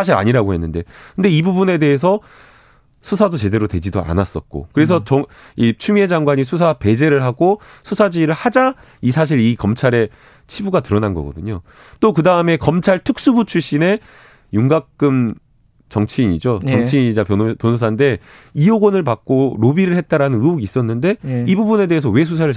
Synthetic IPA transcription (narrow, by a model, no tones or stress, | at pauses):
sʰaɕ̬ʰiɾa̰ɲiɾaɡohe̞nːɯnde̞kɯnde̞ibubune̞de̞ɦes̬ʰʌ | sʰusʰadot͡ɕe̞de̞ɾote̞d͡ʑido̰a̰nas͈ʌ̰t̚k͈o̰kɯɾe̞s̬ʰʌt͡ɕʌ | it͡ɕʰume̞d͡ʑaŋɡwaɲis̬ʰus̬ʰape̞d͡ʑe̞ɾɯɭɦaɡo | sʰusʰad͡ʑiɾɯɭhad͡ʑa | isʰaɕ̬ʰiɾikʌmt͡ɕʰaɾe̞ | t͡ɕʰibuɡatɯɾʌnanɡʌɡʌ̰dɯɲo | t͈okɯdaɯme̞kʌmt͡ɕʰaɭtʰɯk̚s͈ubut͡ɕʰuɭɕ͈ine̞ | juŋɡak̚k͈ɯm | t͡ɕʌŋt͡ɕʰiɲid͡ʑoʌŋt͡ɕʰiɲid͡ʑapjnpjonsʰus̬ʰande̞ | ioɡʌnɯɭpak̚k͈oɾobiɾɯɭhet̚t͈aɾanɯnɯuɡiːs͈ʌnːɯnde̞ibubune̞de̞ɦes̬ʰʌwe̞s̬ʰus̬ʰaɾɯɭ